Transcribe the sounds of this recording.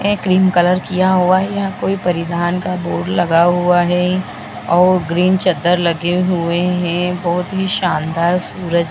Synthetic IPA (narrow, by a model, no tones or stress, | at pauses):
ɛkɾiːmkɐləɾkijaɦuajakoːipɐɾɪd̪aːnkaboːɖlɐɡaɦuaɦɛ | ɔːɾɡɾiːnt͡ʃɐd̪əɾlɐɡeɦueɦɛ̃bɔɦʊt̪ɦiʃaːnd̪aːɾsuːɾəd͡ʒ